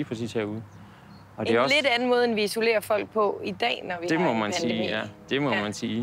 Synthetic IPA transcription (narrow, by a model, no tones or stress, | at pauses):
iːfʰʁɒsḭsʰheɐuðˠ | ɒ̽d̥e̝ɒle̝d̥ænəmɔ̽ːð̞ˠenʋiiso̝le̝̰ːɐfɒ̽l̰ɡ̥̚pʰɒ̽id̥ɛ̰ːnɒʋid̥e̝mɒmænsiːæd̥e̝mɒmænsiː